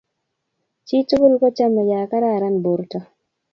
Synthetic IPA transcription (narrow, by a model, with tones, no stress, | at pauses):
t͡ʃi˦tu˦ɡʊ˦lkɔ˦t͡ʃa˦mɛ˨ja˨ka˦ɾa˦˨ɾa˦nbo˨ɾtɔ˦